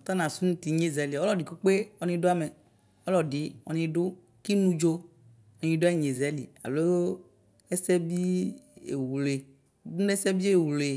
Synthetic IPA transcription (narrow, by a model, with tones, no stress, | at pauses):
ɔ˨t̪a˦nã˨su˦nũ˦t̪i˨ɲe˦zɛ˨li˨ɔ˦lɔ˨di˨ko˦k͡pe˦ɔ˨nĩ˦ɖo˦a˦me˨ | ɔ˦lɔ˨ɖi˨ɔ̰˨nĩ˧ɖʊ˦ | ki˦nũ˦d͡ʒo˦ | ɔ˨ɲĩ˧˦do˦a˦˨ɲe˨zɛ˨˦lḭ˨a̰˨lo˦ | e˦sɛ˦bi˦ḛ˨wu˨le˨ | dũ˦e˦sɛ˦bi˦e˦˨wu˨le˨